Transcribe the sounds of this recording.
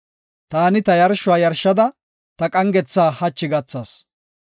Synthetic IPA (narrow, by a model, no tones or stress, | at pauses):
t̪aːnɪt̪ɐjɐɾʃʊaːjɐɾʃɐd̪ɐ | t̪ɐkʼɐŋɡɛt͡sːaːhɐt͡ʃːɪɡɐt͡sːɐs